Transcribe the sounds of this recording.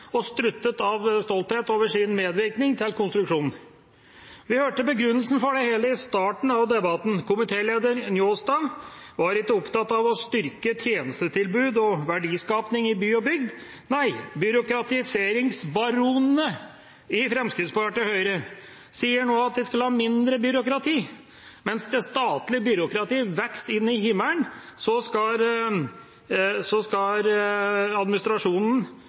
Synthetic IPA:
ɔst̪ɾʉt̪ːət̪ɑʋst̪ɔlt̪heːt̪oːʋəʂɪnmeːd̪ʋɪɾknɪŋt̪ʰɪlkʰʊnst̪ɾʉkʂuːnn̩ | ʋɪhøːʈəbəɡɾʉnːəlsn̩fɔɖɛheːləɪst̪ɑːʈɳ̩ɑʋd̪ɛbɑt̪n̩kʰʊmɪt̪ʰeːleːd̪əɾnjoːst̪ɑʋɑɾɪkːəʊpt̪ɑt̪ːɑʋɔst̪ʏɾkət̪ʰjeːnəst̪ət̪ʰɪlbʉːd̪ɔʋæɖiːskɑːpnɪŋɪbyːɔbʏɡd̪ | næɪbʏɾʊkɾɑt̪ɪseːɾɪŋsbɑɾuːnnə | ɪfɾɛmskɾɪt̪spɑɑʈəhœʏɾə | siːəɳoːɑt̪̚d̪ɛskɑləhɑːmɪnd̪ɾəbʏɾʊkɾɑt̪ʰiː | mɛnsd̪ɛst̪ɑːt̪lɪbʏɾʊkɾɑt̪iːʋɛkst̪ɪnːɪhɪmːəlɳsɔskɑ | sɔskɑɾɑd̪mɪnɪst̪ɾɑʂuːnn̩

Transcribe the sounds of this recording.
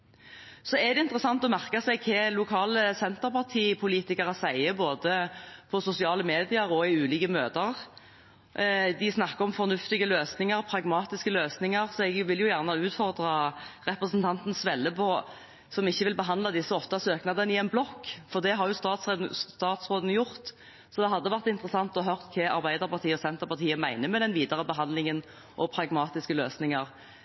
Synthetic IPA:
sɔɛd̪ɛɪnt̪ɾəsɑnt̪ɔmæʁkɑsæɪɡkʰɛlʊkʰɑːləsɛnt̪əɾpɑʁt̪ʰiːpʰʊliːt̪ɪkɑʁəsæɪəboːd̪əpʰɔsʊsɪɑːləmeːd̪ɪəɾɔɪʉːliːkəmøːt̪əʁ | d̪ɪsnɑkːəɾɔmfɔʁnʉft̪ɪɡəløːsnɪŋəʁpʰɾɑɡmɑːt̪ɪskəløːsnɪŋəɾsɔɛɡʋɪljʊjæʁnəʉːt̪fɔʁd̪ɾɑɾɛpʁəsnt̪ʰɑnt̪n̩sʋɛlːəpʰɔ | sɔmɪçːəʋɪlbəɦɑnd̪lɑd̪ɪsːəɔft̪ɑsøːknɑd̪ənəɪɛnblɔkːfɔʁd̪ɛɦɑʁjʊst̪ɑːt̪st̪ɑːt̪sʁoːd̪n̩jʊʁt̪ | sɔd̪ɛɦɑd̪ːəʋæʁt̪ɪnt̪ɾəsɑnt̪ɔhɑɦœʁt̪kʰɛɑɾbæɪd̪əʁpɑʁt̪ʰiːəɔsɛnt̪əɾpɑʁt̪ʰiːəmæɪnəmɛd̪ɛnʋiːd̪əʁəbəɦɑnd̪lɪŋən | ʔɔpʰɾɑɡmɑːt̪ɪskəløːsnɪŋəɾ

